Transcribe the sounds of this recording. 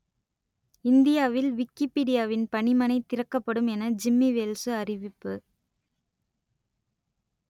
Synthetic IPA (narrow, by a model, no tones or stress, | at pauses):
ɪnd̪ɪjaːʋɪlʋɪkːɪpeːɽɪjaːʋɪnpɐɳɪmɐnɐɪt̪ɪɾɐkːɐpːɐɽɯmɛnɐd͡ʒɪmːiʋeːlsɯɐrɪʋɪpːɯ